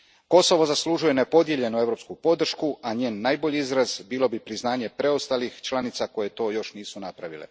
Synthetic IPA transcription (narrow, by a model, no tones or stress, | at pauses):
ko̞so̞ʋo̞zaslˠuʒuje̞nepo̞d̪je̞ʎe̞nueʋɾo̞pskupo̞d̪r̩ʃkuʔaɲe̞ːnːaːjbo̞ʎiizɾazbiːlo̞bipɾiznaːɲe̞pɾe̞ost̪alixt͡ʃlˠanit̪sako̞jet̪o̞ːjo̞ʃniːsunapɾaʋḭlḛ